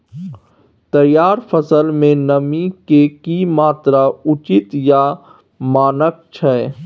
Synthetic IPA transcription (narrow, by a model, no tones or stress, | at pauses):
t̪əjaːɾfʰəsəlmẽnəmikekimaːt̪ɾaʊt͡ʃɪt̪ja | maːnək̚t͡ʃʰɛ